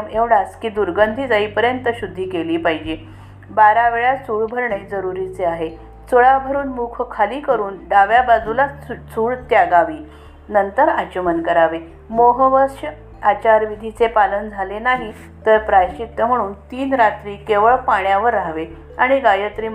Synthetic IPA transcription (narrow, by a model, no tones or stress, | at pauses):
meʋɽaskiːd̪uɾɡənd̪ʱiːd͡zaiːpəɾjənt̪əɕud̪ʱːiːkeliːpaɦid͡ʑe | baɾaʋeɭjat͡sʰuːɭbʱəɾɳed͡zəɾuɾit͡seaɦe | t͡soɭabʱəɾuːnmukʰkʰaliːkəɾuːnɖaʋjabad͡zʱulat͡sʰuːɭt̪jaɡaʋiː | nənt̪əɾat͡ɕəmənkəɾaʋe | moɦəʋəʂ | at͡ɕaɾʋid̪ʱit͡sepalənd͡zʱalenaɦi | t̪əɾpɾajɕik̚t̪əm̤əɽ̃uːnt̪iːnɾat̪ɾiːkeʋəɭpaɳjaʋəɾːaɦʋe | aɽ̃iɡajət̪ɾiː